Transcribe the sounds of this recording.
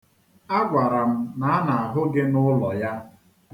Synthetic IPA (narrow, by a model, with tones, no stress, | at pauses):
a˦ɡʷa˨ɾa˨m̩˦na˨a˦na˨a˨ɦʊ˦ɡɪ˦nʊ˦lɔ˨ja˦